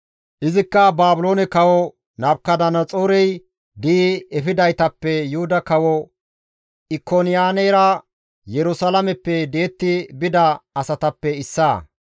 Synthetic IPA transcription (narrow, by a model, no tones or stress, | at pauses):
ʔɪzɪkːɐbaːbʊloːnɛkɐwɔ | nɐbkːɐd̪ɐnɐt͡sʼoːɾɛj | d̪iːɛfɪd̪ɐjt̪ɐpːɛjʊhʊd̪ɐkɐwɔ | ʔɪkːonɪjaːnɛjɾɐ | jɛɾʊsalɐmɛpːɛd̪eːt̪ːɪbɪd̪ɐɐsɐt̪ɐpːɛɪsːaː